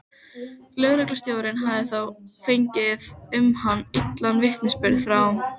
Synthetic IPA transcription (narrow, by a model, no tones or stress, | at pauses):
lœɣɾœklast̪joːwɾɪnɦaːðɪθawfejɲcɪðʏmhanːit̪lanvɪht̪nɪspɪɾð̥fɾa